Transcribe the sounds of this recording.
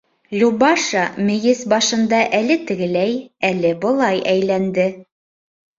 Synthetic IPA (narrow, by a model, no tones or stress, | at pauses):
lʲubɑʃɑmɘ̆jɘsbɑʃɤ̆nd̪ɑʔælɘt̪ɘ̆ɡɘ̆læjælɘbɤ̆lˠɑjʔæjlænd̪ɘ